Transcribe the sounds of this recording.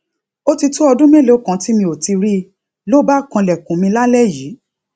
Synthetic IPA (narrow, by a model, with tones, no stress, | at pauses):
o˦ti˧to˦ɔ˧dũ˦me˦lo˨˦˨kã˨˦ti˦mĩ˧o˨ti˧ɾi˦ | lo˦ba˦˨kã˧lɛ˨kũ˨˦mĩ˧la˦lɛ˦˨ji˨˦